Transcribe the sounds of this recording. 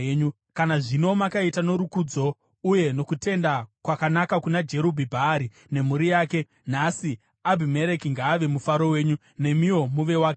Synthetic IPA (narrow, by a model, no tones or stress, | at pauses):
ɲu | kanaʐino̞makaitano̞ɾukud͡zo̞ | uje̞no̞kute̞ndakwakanakakunad͡ʒe̞ɾobʱibʱaɾi | ne̞muɾijaːke̞ | nasi | abʱime̞ɾekiŋɡaːʋe̞mufaɾo̞we̞ːɲu | ne̞mio̞muʋe̞waːke